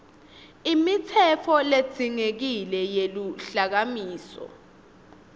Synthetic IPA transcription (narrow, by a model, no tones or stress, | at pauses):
imit͡sʰɛfʰɔle̥d͡z̥ʱiŋek̬ilɛjeluɬak̬amiːsɔ̰